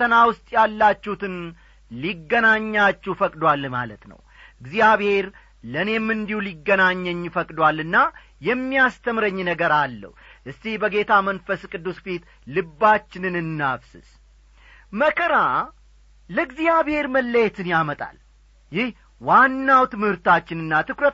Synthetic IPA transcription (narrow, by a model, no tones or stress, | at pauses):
t̪ʰːənawʊst̪ʼjalːat͡ʃːhut̪ʰɨn | liɡːənaɲːat͡ʃːufəkʼd̪walma̰lə̰t̪nə̰w | ɨɡzijaβhe̞ɾ | ləne̞mːɨnd̪ihuliɡːənaɲːəɲːfəkʼd̪walɨnːa | jɛmːijast̪ʰəmɾəɲːnəɡəɾalːə̰hʔɨst̪ihbəɡe̞t̪ʰamənfəskʼɨd̪ːusfit̪ | lɨbːat͡ʃːɪnɨnɨnːafsɨ̰s | məkʰʼəɾa | ləɡzijaβhe̞ɾməlːəjɛt̪ʰɨnjamət̪ʼa̰l | jɪh | wanːawt̪ɨmhɨɾt̪at͡ʃːɪnɨnːat̪ʰɨkɾə